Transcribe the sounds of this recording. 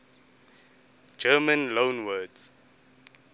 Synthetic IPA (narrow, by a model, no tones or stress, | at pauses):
d͡ʒəːmə̃nlõːnwədz̥